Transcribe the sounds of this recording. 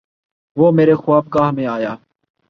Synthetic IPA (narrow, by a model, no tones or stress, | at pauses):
ʋoːmeːɾeːxʊʋaːb̚kaːɦəmẽːaːjaː